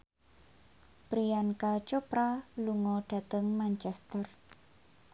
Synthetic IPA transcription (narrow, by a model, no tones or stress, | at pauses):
pɾiankat͡ʃopɾaluŋɔɖ̥ä̤t̪əŋmant͡ʃɛst̪ər